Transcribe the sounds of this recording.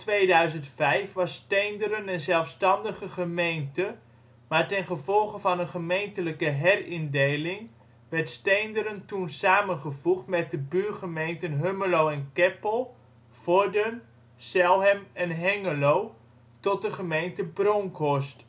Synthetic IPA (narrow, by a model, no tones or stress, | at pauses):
tʋejdœɥzəntfɛjfʋɑstejndəɾənənzɛlˠfstɑndəχəχəmejntə | maːɹtɛnχəvɔlˠχəvɑnənχəmejntələkəɦɛrɪndejlɪŋ | ʋɛɹtstejndəɾəntunsaːmənχəvuχtmɛt̚dəbyːɹχəmejntənɦøməlowɛnkɛpəlˠ | fɔɹdən | sɛlˠɦɛmɛnɦɛŋəlow | tɔt̚dəχəmejntəbrɔŋkɔst